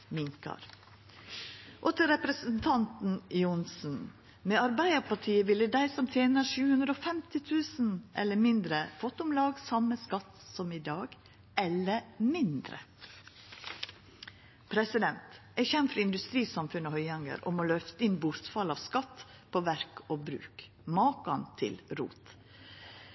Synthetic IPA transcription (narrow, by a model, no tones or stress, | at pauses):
mɪŋkɑ̰ɾ | ʔɔt̪əɾɛpɾəsn̩t̪ʰɑnt̪n̩ɪʊnsn̩ | meːɑɾbæɪəɾpɑʈʰiːəʋɪlːəd̪æɪsɔmt̪ʰjeːnəʂʉːhʉnd̪ɾəoːfɛmt̪ɪt̪ʰʉːsn̩ʔɛ̰lːəmɪnd̪ɾəfɔt̪ːʊmlɑːɡsɑməskɑt̪sɔmɪd̪ɑːɡ | ɛləɾmɪnd̪ɾə̰ | pʰɾɛsɪd̪ɛnt̪ | ɛçɛmːfɾɑɪnd̪ʉst̪ɾiːsɑmfʉnəhœʏɑŋə̰ɾɔ̰mɔlœft̪əɪnbʊɾt̪fɑlɑʋskɑt̪ː | pʰoːʋæɾkoːbɾʉ̰ːk | mɑːkɑnt̪ʰɪ̰lɾṵːt̪